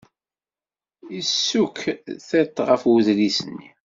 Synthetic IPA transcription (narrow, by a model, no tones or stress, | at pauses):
isːukθæt̪ːʁəfwəðlisənːi